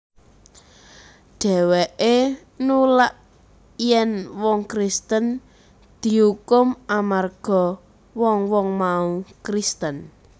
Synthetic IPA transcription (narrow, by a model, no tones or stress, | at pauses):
ɖ̥ɛ̤wɛʔe | nulaʔ | jɛnwɔŋkɾist̪ən | d̪̥i̤ɦukʊmamarɡ̥ɔ̤ | wɔŋwɔŋmaũkɾist̪ən